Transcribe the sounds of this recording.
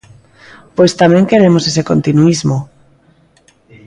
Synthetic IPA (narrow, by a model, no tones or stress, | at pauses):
pojst̪amẽŋkeɾemosesekont̪inuizmo